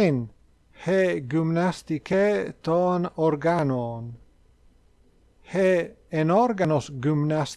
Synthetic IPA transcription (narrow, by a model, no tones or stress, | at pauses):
en | heɡymnast̪ikʰet̪ɔːnɔɾɡanoːn | heenɔɾɡanosɡymnas